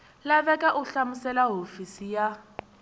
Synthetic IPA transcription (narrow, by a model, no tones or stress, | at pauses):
laβɛkʼaʔuɬamusɛlaɦofisija